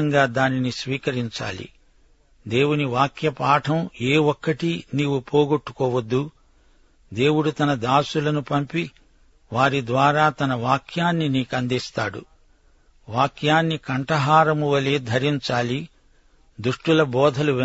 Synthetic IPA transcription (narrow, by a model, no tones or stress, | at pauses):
ŋɡaːd̪aːninisʋiːkɐɾiɲt͡ʃa̰ːlḭ | d̪e̞ːwuniʋaːkjɐpaːʈʰɐmeːɔkːɐʈiniːwupoːɡoʈːu̥kɔːʋɐd̪ːu | d̪e̞ːwuɽut̪ɐnɐd̪aːsulɐnupɐmpi | ʋaːɾid̪ʋaːɾaːt̪ɐnɐʋaːkʰjaːnːiniːkɐnd̪ist̪aːɽṵ | ʋaːkʰjaːnːikɐɳʈɐɦaːɾɐmuʋɐleːd̪ʱɐɾiɲt͡ʃaːli | d̪uʂʈulɐbɔːd̪ʱɐluʋ